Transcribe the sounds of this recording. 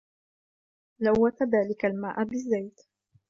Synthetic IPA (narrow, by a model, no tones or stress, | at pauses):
lawːat̪ðaːlɪkalmaːʔabɪzːajt̪